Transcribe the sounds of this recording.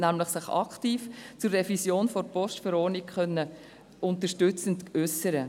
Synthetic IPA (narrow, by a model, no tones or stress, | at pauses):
næmləχsɪχɑ̰kχtiːft͡sʊɾrɛvisjoːnfɔɾpɔʃtfəɾɔːɾnikχœnːə | ʔʊnt̪əʃtʏt͡səntʏsəɾə